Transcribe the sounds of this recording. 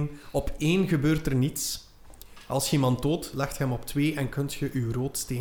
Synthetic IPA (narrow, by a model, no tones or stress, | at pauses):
nɔpʰeːnɣəbøːrtərnits | ɑ̰lˠsimɑntoːtlɛxthɛmɔptweːʔɛnkɵntxəʔywroːtsteː